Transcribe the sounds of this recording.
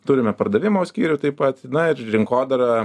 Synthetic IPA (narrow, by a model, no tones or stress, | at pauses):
t̪ʊɾʲɪmʲɛpɐrd̪ɐʋʲɪmoːsʲkʲiːɾʲʊt̪ɐɪppɐt̪nɐɪrɾʲɪŋkoːd̪ɐɾɐ